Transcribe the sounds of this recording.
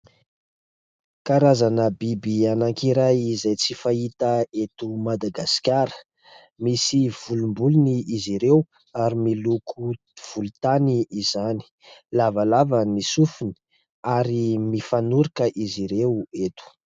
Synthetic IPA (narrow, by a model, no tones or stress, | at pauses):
kaɾazanəbibianaŋkiɾajizajt͡sifait̪əet̪umad̪aɡaskʲaɾə̥ | misiv̥ulumbuluniiziɾew | aɾimilukʰu | v̥ulut̪aniizani̥ | lavalavənisufuni̥ | aɾimifanuɾikəʔiziɾewet̪u̥